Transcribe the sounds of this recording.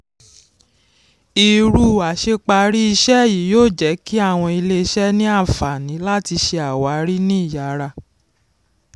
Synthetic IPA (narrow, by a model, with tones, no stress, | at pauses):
i˧ɾu˦˨a˨ʃe˧k͡pa˧ɾi˦i˧ʃɛ˦˨ji˨˦joː˦˨d͡ʒɛ˨˦ki˦a˦˨w̃ɔ̃˧i˧le˦˧ʃɛ˦nĩ˦a˦˨fa˨nĩ˨˦la˦ti˧ʃe˧a˨wa˨˦˧ɾi˦nĩ˦i˦˨ja˨˧ɾa˧˨